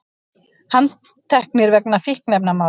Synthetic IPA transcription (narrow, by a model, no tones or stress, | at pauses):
han | t̪ʰɛhknɪɾvɛk̚nafihknɛp̚namaː